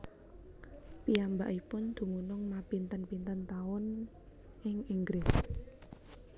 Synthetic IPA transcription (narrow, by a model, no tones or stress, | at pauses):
piambaʔipʊnd̪̥ṳmunʊŋmapint̪ənpint̪ənt̪aʊn | ʔɪŋiŋɡɾɪs